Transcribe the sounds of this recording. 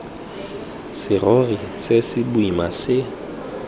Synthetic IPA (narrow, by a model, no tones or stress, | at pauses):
sɪrɔrisesɪbuimasɪ